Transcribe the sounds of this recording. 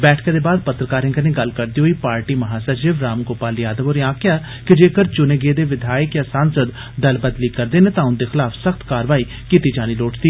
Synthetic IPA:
bɛːʈʰked̪eːbaːd̪̚pət̪ɾəkaːɾɦɪ̃ŋɡəɾneːɡəlkəɾd̪iːɦoiːpaːɾʈiːməɦaːsəʃɪʋɾaːmkoːpaːljaːd̪əʋoːɾjãːkɪjaː | kɪd͡ʒeːkəɾt͡ʃʊneːɡeːd̪eːʋɪd̪ʱaːjəkjãːsaːnsəd̪ | d̪əlbəd̪liːkəɾd̪eːnẽːt̪ãːʊnd̪eːxɪlaːfʰsəxt̪kaːɾʋaːiː | kiːt̪iːd͡ʒaːniːloːʈd̪iː

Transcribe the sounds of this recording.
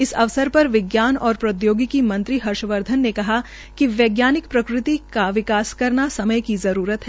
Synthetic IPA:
ɪsɐʋsəɾpɐɾʋɪɡjaːnɔːɾpɾɐd̪joːɡikimɐ̃nt̪ɾiɦɐɾʃəʋəɾd̪ʱənːekɐɦa | kiʋjeːɡjaːnɪkpɾɐkɾɪt̪ikaʋɪkaːskɐɾnasɐməjkizɐɾuːɾət̪ɦɛː

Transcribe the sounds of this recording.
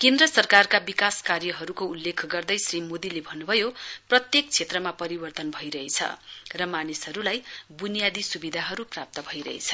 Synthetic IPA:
kend̪rʌsʌrkarkabikaskarjʌɦʌɾukoulːekʰɡʌrd̪ʌjsrimod̪ilebʱʌnːubʱʌjoprʌt̪jek̚t͡sʰet̪rʌmapʌɾibʌrt̪ʌnbʱʌjɾʌɦet͡sʰʌ̰rʌmanisɦʌɾulajbunijad̪isubid̪ʱaɦʌɾuprap̚t̪ʌbʱʌjɾʌ̰ɦḛt͡sʰʌ

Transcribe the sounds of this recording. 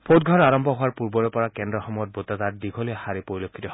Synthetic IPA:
pʰot̚ɡʱɔɹaɹɔmbʱɔɦʊwaɹpuɹbɔɹɛpɔɹakɛndɹɔxɔmɔjɔt̚botatatdiɡʰʱolɔjɛxaɹipoɹilokʰːitɔ

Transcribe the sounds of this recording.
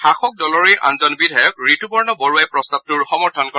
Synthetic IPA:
xaxɔk̚dɔlɔɹejʔa̰nzɔnbidʱajɔk̚ɹitubɔɹnɔbɔɹuajpɹɔstab̚tuɹxɔmɔɹtʰɔnkɔ

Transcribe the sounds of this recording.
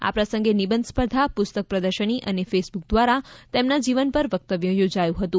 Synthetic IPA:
a̰pɾəsə̃ŋɡenibənd̪spəɾd̪ʱapʊst̪ək̚pɾəd̪əɾʃəɳ̃iʔənefesbuk̚d̪ʋaɾat̪emnad͡ʒiʋənpəɾʋək̚t̪əʋjəjod͡ʒajũɦət̪ũ

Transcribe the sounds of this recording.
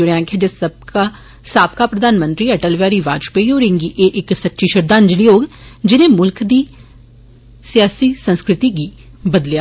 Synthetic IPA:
ʊɽeãːkʰeːd͡ʒesəba | saːp̚kaːpɾəd̪aːnmənt̪ɾiːəʈəlʋjaːɾiːʋa̰ːt͡ʃpeijoːɾɪ̃ŋɡiːʔeːʔɪksətːʃiːʃəɾd̪ãːnd͡ʒɪliːoːɡd͡ʒɪnẽːmʊlkʰd̪iː | sjaːsiːsənskɾɪt̪iːɡiː | bəd̪ljaː

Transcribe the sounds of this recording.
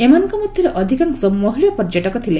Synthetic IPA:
emɔnɔ̃ŋkɔmɔd̪ʱjɔɾeʔɔd̪ʱikansɔbmɔɦiɭɔpɔɾd͡ʒɔʈɔkɔt̪ʰile

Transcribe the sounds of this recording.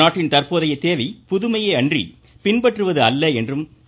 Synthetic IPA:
aːʈːɪnt̪ɐrpoːðɐjɐɪt̪ːeːʋɐɪpʊðɯmɐjeːɐndrḭ | pɪnpɐʈrɯʋɐðɯɐlːɐɛndrɯm

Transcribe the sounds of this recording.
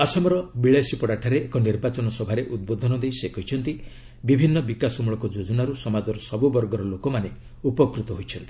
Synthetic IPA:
ɔsɔmɔɾɔbiɭesipɔɽaʈʰaɾeekɔniɾbat͡ʃɔnɔsɔbʱaɾeʔud̪̚bod̪ʱɔnɔd̪ejsekʰɔjt͡ʃʰɔnt̪i | bibʱinːɔbikasɔmuɭɔkɔd͡ʒod͡ʒɔnaɾusɔmad͡ʒɔɾɔsɔbubɔɾɡɔɾɔlokɔmane | upɔkɾut̪ɔɦojt͡ʃʰɔnt̪ii̥

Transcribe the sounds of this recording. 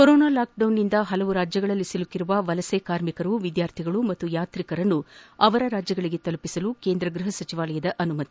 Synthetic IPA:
koɾoːnaːlaːk̚ɖɐwnːind̪ɐɦɐlɐʋuɾaːd͡ʒjɐɡɐɭɐlːisiluk̪ːiɾuʋɐʋɐlɐseːkaːɾmikɐɾuʋid̪jaːɾt̪ʰiɡɐɭumɐt̪ːujaːt̪ɾikɐɾɐnːuɐʋɐɾɐɾaːd͡ʒjɐɡɐɭiɡe̞t̪ɐlupisɐlukeːnd̪ɾɐɡɾuɦɐsɐt͡ʃiʋaːlɐjɐd̪ɐʔɐnumɐt̪i̥

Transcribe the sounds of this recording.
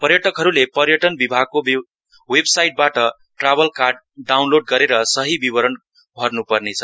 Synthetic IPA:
pʌrjʌʈʌkɦʌɾulepʌrjʌʈʌnbibʱaɡ̚kob | websajʈ̚baʈʌ | ʈrabʌlkarɖ̚ | ɖawnloɖ̚ɡʌɾeɾʌsʌɦibibʌɾʌn | bʱʌrnupʌrnet͡sʰʌ

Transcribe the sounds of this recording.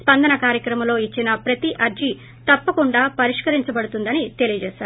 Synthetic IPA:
spɐnd̪ɐnɐkaːɾjɐkɾɐmɐmlo̞ːit͡ʃːinɐpɾɐt̪iʔɐɾd͡ʒi | t̪ɐpːɐkuɳɖaːpɐɾiʂkɐɾiɲt͡ʃɐbɐɽut̪und̪ɐnit̪e̞lijɐd͡ʒɛːʃaːɾ

